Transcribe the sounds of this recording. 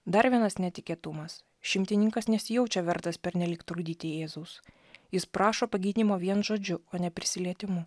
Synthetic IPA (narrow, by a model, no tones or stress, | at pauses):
d̪ɐɾʋʲiɛnɐsnʲɛt̪ʲɪkʲiɛt̪ʊmɐs | ʃʲɪmʲt̪ʲɪnʲɪŋkɐsnʲɛsʲɪjɛʊt͡ʃʲɛʋʲɛɾt̪ɐspʲɛɾʲnʲɛlʲiːkt̪ɾʊd̪ʲiːt̪ʲɪeːzʊʊs | jɪspɾɑːʃoːpɐɡʲiːd̪ʲnʲiːmoːʋʲiɛnʒoːd͡ʒʲʊoːnʲɛpʲɾʲɪsʲɪlʲiɛt̪ʲɪmʊ